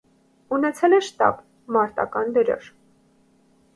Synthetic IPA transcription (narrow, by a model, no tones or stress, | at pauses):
unɛt͡sʰɛlɛʃt̪ɑ̰b | mɑɾt̪ɑ̰kɑnd̪əɾɔ̰ɾ